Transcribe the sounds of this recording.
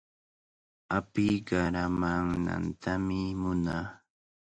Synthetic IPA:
apɪjɢɑɾamaŋna̰nt̪ʰamɪmʊnaː

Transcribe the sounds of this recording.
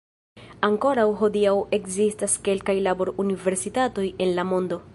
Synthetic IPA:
aŋko̞ɾawɦo̞diawe̞kzistaske̞lkajlabo̞ɾunive̞ɾsitato̞je̞nlamo̞ndo̞

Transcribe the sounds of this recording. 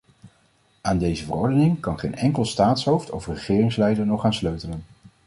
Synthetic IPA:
aːndejzəvərɔɹdənɪŋkɑnχejnɛŋkəlˠstaːtsɦowftofrəχɪːrɪŋslɛjdəɹnɔχaːnsløɥtələn

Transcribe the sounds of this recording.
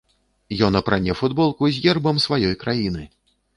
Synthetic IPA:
jɔnɐpɾanʲɛfud̪bɔlˠkuzʲjʲɛrbɐmsvajɔjkɾajinɨ

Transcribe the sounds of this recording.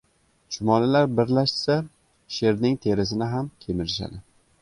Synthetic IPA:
t͡ʃʰʊmɒlalaɾbɪɾlaʃɪ̥sa | ʃe̞ɾnɪŋt̪ʰe̞ɾɪzɪnɪɦamkʲʰemɪɾɪʃa̰d̪ɪ

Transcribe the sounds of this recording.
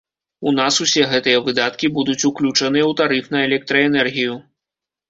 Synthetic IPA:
unasusʲɛɣɛt̪ɨjɐvɨd̪at̪kʲibud̪ut͡sʲuklʲut͡ʂɐnɨjɛwt̪aɾɨfnɐɛlʲɛk̚t̪ɾɐɛnɛrɣʲiju

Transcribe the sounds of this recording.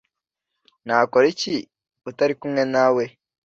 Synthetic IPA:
naːkoɾici | utaɾikumŋenaːwe

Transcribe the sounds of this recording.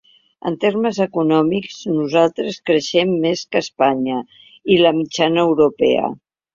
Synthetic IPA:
ə̰nt̪erməzəkunɔmikznuzalˠt̪ɾəskɾəʃɛmːeskəspaɲə | iləmit͡ʃanəːwɾupɛḛə̰

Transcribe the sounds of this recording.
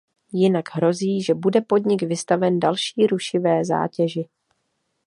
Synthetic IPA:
jɪnaɡɦɾo̞ziːʒɛbudɛpo̞dɲɪɡvɪst̪avɛndalʃiːɾuʃɪvɛːza̰ːcɛʒɪ

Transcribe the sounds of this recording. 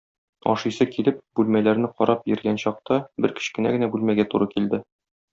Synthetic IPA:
ɒ̰ʃɤjsɤkilɘp̚bʉlmælæɾnɘqɒɾɑpjɘ̆ɾɡænɕɒq̚t̪ɑbɘɾkɘ̥̆ɕkɘ̆næɡɘ̆næbʉlmæɡæt̪uɾɤkild̪ɘ

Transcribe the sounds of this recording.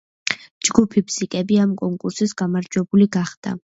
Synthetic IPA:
d͡ʒɡupʰipʰsikʼɛbiamkʼɔŋkʼuɾsisɡ̥amaɾd͡ʒwɛbuliɡaχd̪̥a̰

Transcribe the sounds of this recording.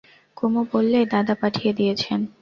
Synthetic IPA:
komopolːed̪ad̪apaʈʰijed̪ijet͡ɕʰen

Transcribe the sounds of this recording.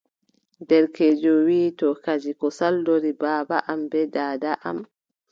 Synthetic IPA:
dɛɾked͡ʒɔwiːtɔkad͡ʒikɔsaldoɾibaːbaʔambɛdaːdaʔa̰m

